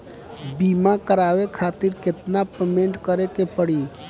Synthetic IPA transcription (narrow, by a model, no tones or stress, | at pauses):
bimakəɾawekʰat̪ɪɾkɪt̪napemẽɳʈkəɾekepəɽi